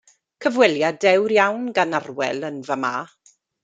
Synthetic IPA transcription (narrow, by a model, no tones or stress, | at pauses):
kʰəvwɛljadɛwɾjawnɡanarwɛ̰lˠənvamaː